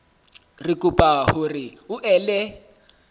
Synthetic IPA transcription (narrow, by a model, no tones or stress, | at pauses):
rɪkʼupʼahʊrɪʊʔɛlɛ